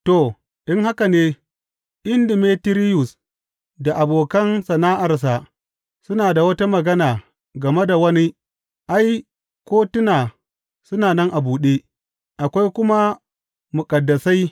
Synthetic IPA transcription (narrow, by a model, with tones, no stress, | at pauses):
to˨ | ɗɪ˦ŋha˦ka˨neː˦ | ʔɪ˦ndɪ˨meː˦tɪ˦ɾɪ˦jʊ˨s | da˨ʔa˨boː˨kɐ˦nsɐ˨naː˦ʔa˨rs̬a˨ | sʊ˦naː˨da˨wɐ˦ta˦mɐ˨ɡɐ˦naː˨ | ɡɐ˨me˦da˨wɐ˦ni˦ | ʔa˦j | kʷoː˦tʊ˦naː˨ | sʊ˦naː˨nɐ˦ŋʔa˨buː˨ɗeː˦ | ʔa˨kʷa˦jkʷʊ˦ma˦ | mʊ˨kʼɐ˨dːɐ˨sa˦j